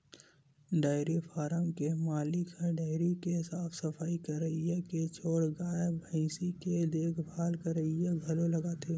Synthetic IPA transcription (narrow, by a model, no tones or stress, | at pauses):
ɖaːɪɾipʰaːɾəmkemaːlɪkʰəɖaːɪɾikesaːpʰsəpʰaːikəɾəieket͡ʃʰoːɽɡaːəbʱə̃siked̪eːkʰbʱaːlkəɾəɦieɡʱɐlolɐɡaːt̪ʰe